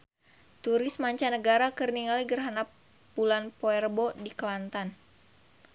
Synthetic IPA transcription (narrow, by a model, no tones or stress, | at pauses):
t̪uɾɪsmaɲt͡ʃanəɡaɾakərniŋaliɡərɦanap | bulanpoɛrbɔdiklant̪an